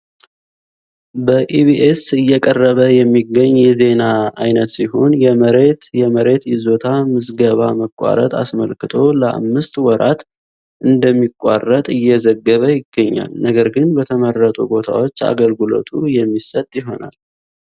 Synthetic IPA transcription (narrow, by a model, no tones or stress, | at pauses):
bəʔibiʔesɨjːɛkʼərːəβəjɛmːiɡːəɲːjɛze̞naajnət̪siɦonjɛməɾet̪jɛməɾe̞t̪jɪzo̞t̪ʰamɨsɡəβaməkʷʼːa̰ɾə̰t̪ʰʼa̰sməlkɨt̪ʰo̞ləa̰mːɨst̪wɔɾat̪ | ʔɨnd̪əmːikʼːa̰rːət̪ʼɨjːɛzəɡːəβəjɪɡːəɲːa̰lnəɡəɾɡɨnbət̪ʰəmərːət̪ʼubo̞t̪ʰa̰wo̞t͡ʃːa̰ɡəlɡɨlo̞̰t̪ʰujɛmːisət̪ʼjɪɦo̞na̰l